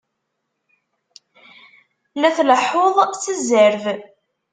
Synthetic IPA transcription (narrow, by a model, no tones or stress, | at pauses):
læθləħoðˤt͡sːəzəɾv